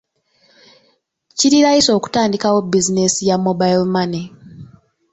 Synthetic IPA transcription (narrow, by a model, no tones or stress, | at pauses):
ciɾiɾajiso̞ːku̥taːndikawo̞bizinesijamobajlmane